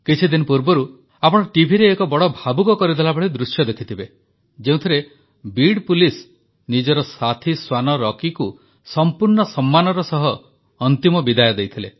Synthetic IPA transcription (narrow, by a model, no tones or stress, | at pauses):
kit͡ʃʰid̪inɔpuɾbɔɾu | apɔɽ̃ɔʈibʱiɾeːkɔbɔɽɔbʱabukɔkɔɾid̪elabɔɭid̪ɾusjɔd̪ekʰit̪ʰibe | d͡ʒeũt̪ʰiɾe | biɽpulis | nid͡ʒɔɾɔsat̪ʰiswanɔɾɔkiku | sɔmpuɾɳɔsɔmːanɔɾɔsɔɦɔː | nt̪imɔbid̪ajɔd̪ejt̪ʰile